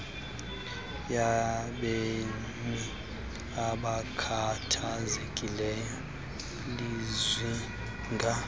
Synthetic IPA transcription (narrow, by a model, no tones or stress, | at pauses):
jaɓe | mi | aɓakʰatʰazekʼilɛjɔ | lizwi | ŋɡʱa